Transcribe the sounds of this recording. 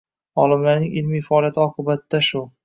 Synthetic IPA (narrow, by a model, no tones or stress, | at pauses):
ɒlɪmlaɾnɪŋʔɪlmijfaɒlijat̪ʰɒqʰɨbat̪̚d̪aʃʊ